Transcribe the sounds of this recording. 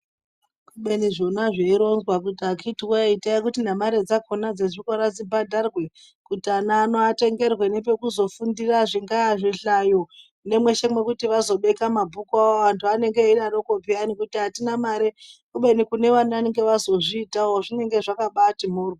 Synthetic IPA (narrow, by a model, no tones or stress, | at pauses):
kuɓe̞niʐo̞naʐeiɾo̞nzwakutiakitiwaitaik̬utinamaɾed͡zakonad͡zeʐiko̞ɾad͡zibadʱarwe̞ | kutianaːno̞ate̞ŋɡe̞rwene̞pe̞kuzo̞fundiraʐiŋɡaaʐiɬajo | ne̞mwe̞ʃemwe̞kutiʋazo̞ɓe̞kamabʱukwaoʋantʰuane̞ŋɡeinarokopianikutiɦatinamaɾekuɓe̞nikune̞ʋanaane̞ŋɡe̞ʋazo̞ʐiːtaoʐine̞ŋɡe̞ʐakaɓatimurwa